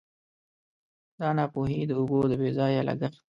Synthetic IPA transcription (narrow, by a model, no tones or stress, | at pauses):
d̪̥ɑnɑpoɦid̪əʊbod̪əbezɑjalʔa̰ɡax